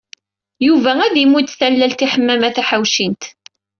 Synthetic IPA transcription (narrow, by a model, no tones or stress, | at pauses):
juvææðimːut̪ːθælːælt̪iħəmːæmæθæħawʃint̪